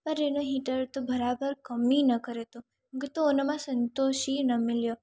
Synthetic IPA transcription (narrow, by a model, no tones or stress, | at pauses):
pəɾenoɦiʈəɾt̪obəɾabəɾkəmninəkəɾet̪õ | ket̪oonəmãsənt̪oʃinəmɪljo